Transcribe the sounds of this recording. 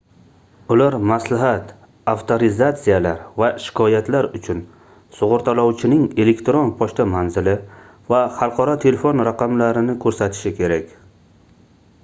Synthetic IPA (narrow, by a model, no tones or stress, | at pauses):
ʊlaɾmaslaɦat̪ | aft̪ʰoɾɪzat̪sijalaɾvaʃɪ̥kʰɒjat̪laɾʊt͡ʃʰʊn | sʊʁʊɾt̪ʰalɒwt͡ʃʰɪnɪŋe̞le̞kt̪ɾo̞npʰɒʃt̪ʰamanzɪlɪ | vaχɑlˠqʰɒɾɒt̪ʰe̞lefo̞nɾaqʰamlaɾɪnɪkʰɵɾsat̪ʰɪ̥ʃɪkʲʰe̞ɾakʲ